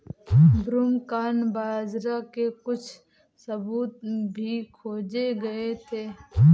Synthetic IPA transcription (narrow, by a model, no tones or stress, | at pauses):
bɾumkaːnbaːzɾakekʊt͡ʃʰ | sɐbuːt̪̚bʱikʰoːd͡ʒeɡɐet̪ʰeː